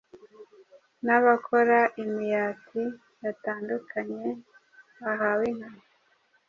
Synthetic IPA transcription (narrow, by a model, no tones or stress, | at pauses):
naβakʰo̞ɾaʔimijaːtʰi | jataːndukʰaɲe̞ | βaɦawiŋ̥hamo